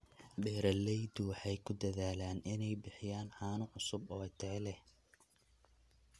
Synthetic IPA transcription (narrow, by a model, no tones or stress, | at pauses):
bɛːɾɐlɛjd̪ʊwħɛjkʰʊd̪ɐðaːlaːnʔɪnɛjbɪħɪjaːnħaːnʊʕʊsʊbɔːɪt̪ʰɛlɛh